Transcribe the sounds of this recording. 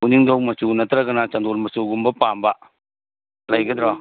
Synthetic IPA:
uniŋdɔwmɐsunɐt̪ɾɐɡɐnat͡ʃɐnd̪oɾmɐsuɡumbɐpamba | lɐjɡɐd̪ɾɔ

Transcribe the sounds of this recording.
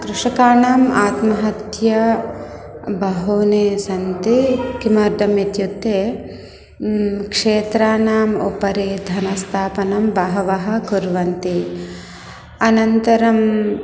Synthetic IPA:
kɾuʂɐkaːɳaːmaːt̪mɐɦɐt̪jɐ | bɐɦoːneːsɐnt̪ikimɐɾd̪ɐmet̪jut̪ːeː | kʂeːt̪ɾaːnaːmṵpɐɾeːd̪ʱɐnɐst̪ʰaːpɐnɐmbɐɦɐʋɐɦɐ̆kuɾʋɐnt̪i | ɐnɐnt̪ɐɾɐm

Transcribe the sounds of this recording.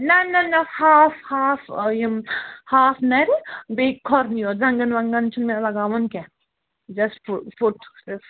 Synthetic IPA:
nɐnɐnɐhaːfhaːfjimhaːfnɐɾibekʰɔɾnijɔɾzɐ̃ŋɡɐnʋɐŋɡɐnt͡ʃʰunmɛ̃lɐɡaːʋɐnkɛ | d͡ʒɐsfufuʈs

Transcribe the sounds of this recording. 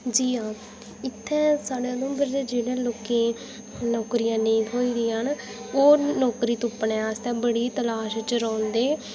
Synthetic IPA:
d͡ʒiːaː | ɪt̪ʰːɛ̃ːsaːɽeːd̪õmbəɾd͡ʒeːd͡ʒeːɽẽːloːkẽː | nɔːkɾijãːneĩːoːiːd̪iːən | oːnɔːkɾiːt̪ʊpːnɛ̃ːast̪ɛ̃ːbəɽiːt̪əlaːʃt͡ʃɾɔ̃ːnd̪eː

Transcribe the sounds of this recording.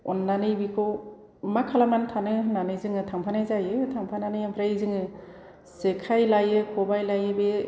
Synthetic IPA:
ɔnːanɯjbikʰo | makʰalamantʰanɯnanɯjzɯŋɯtʰaŋpʰanajzajɯtʰaŋpʰananɯjampʰɾajzɯŋɯ | sekʰajlajɯkʰɔbajlajɯbe

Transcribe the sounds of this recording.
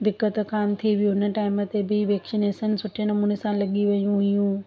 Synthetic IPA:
d̪ɪkːət̪kaːmt̪ʰiʋijũɦɪnə̆ʈaːɪmə̆t̪ebiʋeːksɪneːsənsʊʈʰenɐmuːnesãlɐɠiʋɐjũɦɪjũ

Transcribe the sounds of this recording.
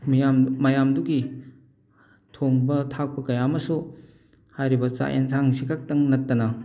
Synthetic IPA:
mammɐjamduɡi | tʰoŋbɐtʰak̚pɐkɐjamɐsu | hajɾibɐt͡ʃa̰ʔḛnsaŋsikʰak̚tɐŋnɐtːɐnɐ

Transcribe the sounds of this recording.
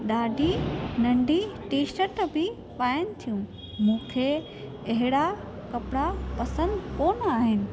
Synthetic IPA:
ɗaːɖʱinɐ̃ɳɖʱiʈiːʃəʈbɪ | paːjən̆t̪ʰijũ | mũːkʰe | ɐɦɪɽa | kɐpɪɽapɐsə̃nd̪koːnaːɦɪnɪ̆

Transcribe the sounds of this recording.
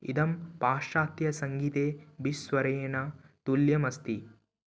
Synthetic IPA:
ḭd̪ɐmpaːʃʂaːt̪jɐsɐŋɡit̪eːbisʋɐɾenɐt̪uljɐmɐst̪i

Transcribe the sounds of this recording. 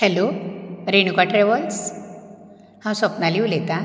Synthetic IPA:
hɛloɾenukaʈɾeʋɔls | hãw̃sɔpnaliulet̪ã

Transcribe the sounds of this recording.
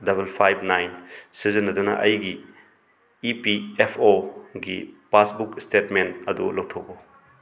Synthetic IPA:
dɐbelpʰajbnajnsizinːɐdunɐ̰ʔɐjɡiː | piepʰoɡḭpasbukstetmentɐdṵlow̚tʰoko

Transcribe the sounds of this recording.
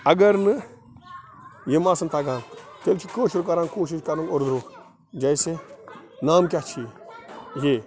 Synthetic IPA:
ɐɡɐɾnɨ | jemaːsɨnt̪ʰaɡaːnk̪elt͡ʃʰikəːʃuɾk̬ɐɾankoːʃ̬iʃkɐɾɐnoɾd̪ɾoː | d͡ʒajsenaːmk̬ʲat͡ʃʰiː | jeː

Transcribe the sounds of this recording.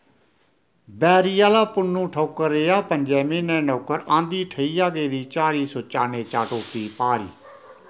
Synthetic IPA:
bɛːɾiːjaːlaːpʊnːũːʈʰoːkəɾːeːaːpəɲd͡ʒɛːmiːnɛ̃ːnɔːkəɾãːnd̪iːʈʰəiːjaːɡeːd̪iːt͡ʃaːɾiːsoːt͡ʃaːneːt͡ʃaːʈoːkiːpaːɾḭː

